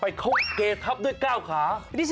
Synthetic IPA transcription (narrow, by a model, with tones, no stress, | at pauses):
pa˧jkʰo˦˥k̚keː˧t̪ʰa˦˥p̚du˥˩əjkaː˥˩wkʰaː˩˦di˦˥s